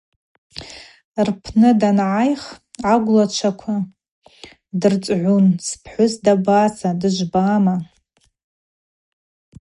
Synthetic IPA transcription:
rpʰnɨdanʕajχʕaɡʷlat͡ʃʷʰakʷʰa | dɨrt͡sʼʕʷunspʰħʷʊzdabasadɨʒʷbaːma

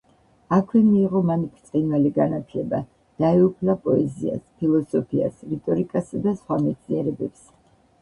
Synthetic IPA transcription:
akʰwɛmiːʁɔmanikʰt̪sʼqʼinwaliɡanat̪ʰlɛba | d̪̥aɛupʰlapʼɔɛzḭa̰spʰilˠɔsɔpʰia̰sɾit̪ʼɔɾikʼasad̪asχwamɛt̪sʰniɛɾɛbɛps

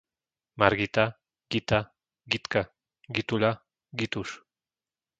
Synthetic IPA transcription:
maɾɡit̪a | ɡit̪a | ɡit̪ka | ɡit̪ula | ɡit̪uʂ

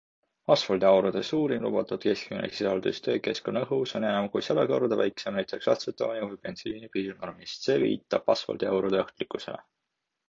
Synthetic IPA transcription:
ɑsfɑld̪eɑwɾud̪̥esuːɾinlṵb̥ɑt̪ˑud̪̥ke̞skyminḛksisɑld̪̥ust̪ø̞ːke̞skoneɦuso̞neɑmkujsɑlɑkord̪ɑvæjksemnæjt̪ˑe̞ksɑt̪set̪ːˑo̞̰ːnʲivujpe̞nsiːnipiːrno̞rmist̪se̞ːvḭːt̪ːˑɑb̥ɑsfɑ̰ld̪eɑwɾud̪eoht̪likːˑuse̞̰le̞̰

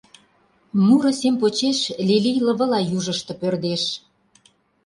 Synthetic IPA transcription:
muɾɤ̆semp̬ot͡ɕeʃlʲilijlə̆βɤ̆lɑjuʒə̆ʃt̪ɤ̆pørd̪eʃ

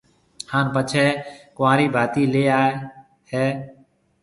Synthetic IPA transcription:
haːnpət͡ʃʰɛːkʊʋãːɾiːbʱaːt̪iːleːaːe | hɛː

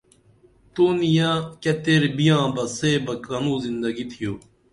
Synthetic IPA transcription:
t̪uːnijãːkɐt̪eɾbijãːbɐseːbɐkɐnũːzind̪ɐɡit̪ʰijoː

